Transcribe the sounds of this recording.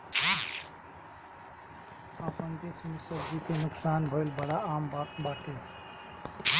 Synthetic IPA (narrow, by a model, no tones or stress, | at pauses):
əpənd̪et͡ʃʰmesəbd͡ʒikenʊksaːnbʱəlbəɽaambak̪baʈe